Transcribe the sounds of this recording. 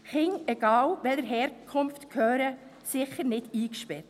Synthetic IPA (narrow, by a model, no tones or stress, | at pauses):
χɪŋɛɡ̥ɑːlʋɛləɾɦɛːɾkʰʊmftkʰøːɾə | sɪχəɾnɪdiːkʃpɛɾt